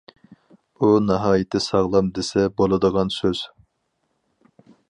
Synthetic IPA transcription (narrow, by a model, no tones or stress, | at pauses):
unɑɦɑːjɪt̪ʰːɪsɑʁlˠɑmd̪esɛbolˠɨd̪əʁɑnsøz̥